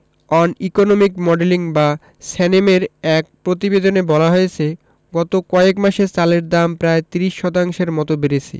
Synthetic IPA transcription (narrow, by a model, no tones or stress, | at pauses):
ɔnikonomikmɔɖeliŋba | sɛnemeɾɛk̚pɾot̪ibed̪onebɔlaɦoet͡ɕʰe | ɡɔt̪okɔekmaʃet͡ɕaleɾd̪ampɾaet̪iɾiʃːɔt̪aŋʃeɾmɔt̪obeɾet͡ɕʰḛ